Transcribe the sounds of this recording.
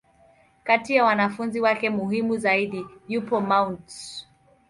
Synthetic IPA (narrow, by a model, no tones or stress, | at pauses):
katijawanafunziwakɛmuɦimuzaiɗijupɔmawnts